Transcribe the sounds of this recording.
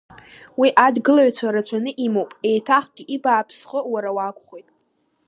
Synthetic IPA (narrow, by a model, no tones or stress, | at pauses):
wiʔadɡɨlaɥt͡ɕʷʰaɾat͡ɕʷʰanɨʔimowpʼe̞jtʰaχɡʲiʔibaːpʰsχəwaɾawakʷʰʼχojtʼ